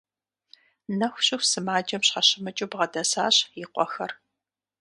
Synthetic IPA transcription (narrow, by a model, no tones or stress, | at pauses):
nɐxʷɕɪxsɨmaːd͡ʒɐmɕħɐɕɪmɐt͡ʃʼubʁɐdɐsa̰ːɕjɪqʷʼɔ̰xɐr